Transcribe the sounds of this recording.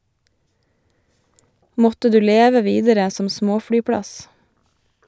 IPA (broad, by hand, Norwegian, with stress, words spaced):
ˈmɔtə ˈdʉː ˈleːʋə ˈʋiːdəɾə ˈsɔm ˈsmoːfɽyːˌpɽɑs